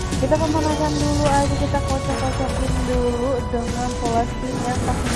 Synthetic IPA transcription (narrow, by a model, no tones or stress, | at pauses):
kit̪apəmanasanduluad͡ʒakit̪akot͡ʃakːot͡ʃak̚ɪnduludəŋanpolastinjala